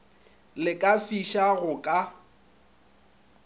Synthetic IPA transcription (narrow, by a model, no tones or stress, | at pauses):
lɪkʼafiʃaɣʊkʼa